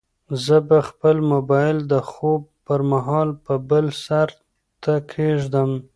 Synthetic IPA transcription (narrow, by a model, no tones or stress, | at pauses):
zəbaxpəlmʊbɑjɪld̪əxob̚pəɾmaɦɑlpəbəlsaɾ | t̪akʰeʒd̪əm